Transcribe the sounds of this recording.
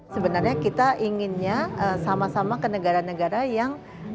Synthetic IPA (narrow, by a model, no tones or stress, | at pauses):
səbənarɲakit̪aʔiŋɪnɲaəsamasamakənəɡaɾanəɡaɾajaŋ